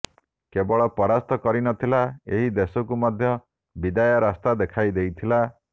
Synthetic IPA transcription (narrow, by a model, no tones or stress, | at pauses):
kebɔɭɔpɔɾast̪ɔkɔɾinɔt̪ʰilaeɦid̪esɔkumɔd̪ʱjɔ | bid̪ajɔɾast̪ad̪ekʰajd̪ejt̪ʰila